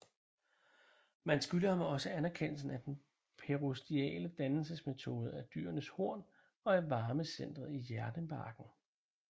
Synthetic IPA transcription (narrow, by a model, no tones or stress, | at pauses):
mænsɡ̥yləhɑ̈mɒ̽səænæɐkʰen̰l̩sn̩æd̥en | pʰe̝ʁosd̥iɛ̰ːləd̥ænl̩səsme̝t͡sʰo̝̰ːð̞ˠəæɐd̥y̰ːɐnəsho̝ɐ̰n | ɒ̽æɐʋɑ̈ːməsen̰d̥ʁɐð̩ˠijæɐd̥əmɑ̈ɡ̥n̩